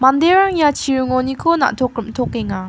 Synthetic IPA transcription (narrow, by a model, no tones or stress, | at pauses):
mand̪eɾaŋjat͡ɕijɯŋonikʰona̰t̪ʰokɯmt̪ʰokeŋa